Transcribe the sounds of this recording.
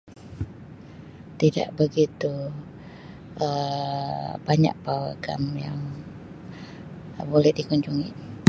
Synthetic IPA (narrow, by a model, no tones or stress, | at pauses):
t̪ida̰ʔbəɡit̪u | ʔə | baɲa̰ʔ̚pawa̰ɡamjaŋ | bolɛhdikuɲd͡ʒuŋḭ